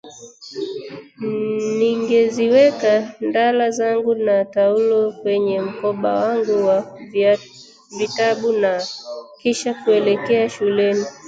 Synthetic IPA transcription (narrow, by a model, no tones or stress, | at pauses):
niŋɡɛziwɛkandalazaŋɡunataulɔkwɛɲɛm̩kɔɓawaŋɡuwa | vitaɓunakiʃakuɛlɛkɛaʃulɛni